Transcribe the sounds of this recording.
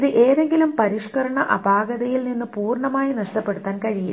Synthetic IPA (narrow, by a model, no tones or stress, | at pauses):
ðɨʔe̞ːðe̞ŋɡilumpɐɾiʂkɐɾɐɳɐʔɐbaːɡɐðɐjilninːɨpuːrɳɐmaːjinɐʂʈɐpːe̞ɽut̪ːaːnkɐɻijḭ